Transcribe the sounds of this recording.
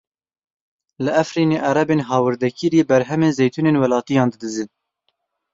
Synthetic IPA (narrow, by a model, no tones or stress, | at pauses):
lɨæfɾiːneːʔɑɾɛbeːnɦɑːwɨɾd̪ɛkiɾiːbɛɾɦɛmeːnzejt̪ʰuneːnwɛlɑːt̪ijɑ̃ːnd̪ɨd̪ɨzɨn